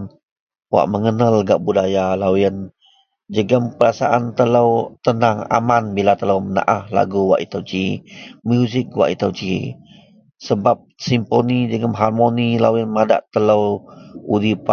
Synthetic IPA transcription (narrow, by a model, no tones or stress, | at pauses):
n | wa̰ʔməŋənalɡaʔbudajalawɪn | d͡ʒəɡəmpəɾasaʔant̪ələwt̪ənaŋa̰manbilat̪ələwməna̰ʔahla̰ɡuwa̰ʔit̪əwt͡ʃimjuzɪk̚wa̰ʔit̪əwt͡ʃi | səbap̚simponid͡ʒəɡəmɦarmonilawɪnmada̰ʔt̪ələwudipa